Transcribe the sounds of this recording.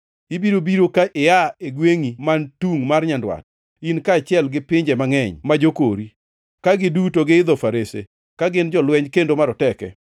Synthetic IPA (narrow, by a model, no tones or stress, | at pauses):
ibiɾobiɾokaʔɪjaeɡweŋimantuŋmarɲandwa̰t̚ | inkaːt͡ʃɪɛlɡɪpɪɲd͡ʒɛmaŋɛɲmad͡ʒokoɾi | kaɡɪdutoɡɪɪd̪ɔfaɾesḛ | kaɡɪnd͡ʒɔlwɛɲkendomaɾɔtɛkɛ̰